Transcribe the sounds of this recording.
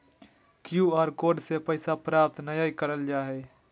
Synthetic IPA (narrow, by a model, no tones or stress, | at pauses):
kjuaːɾkoːɖsepəɪsapɾaːp̚t̪nəjaikəɾəld͡ʒaːɦɛ